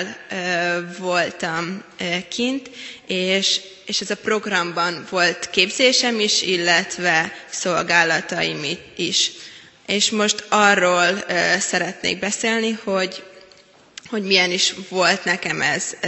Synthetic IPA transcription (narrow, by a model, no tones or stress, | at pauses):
lː | vo̞lt̪ɒmkʰint̪eːʃ | eːʃɛzɒpro̞ɡrɒmbɒnvo̞lt̪keːbzeːʃɛmiʃilːɛt̪vɛso̞lɡaːlɒt̪ɒimiiʃ | eːʃmo̞ʃt̪ɒrːoːlːsɛɾɛt̪nḛːɡ̚bɛseːlniho̞ɟ | ho̞ɟmijɛniʃʋo̞lt̪nɛkɛmɛ̰z̥